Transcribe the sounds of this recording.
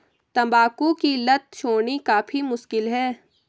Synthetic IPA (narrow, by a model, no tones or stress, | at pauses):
t̪ɐmbaːkũkilɐt̪̚ʃʰoːnikaːfʰimʊʃkɪlɦɛː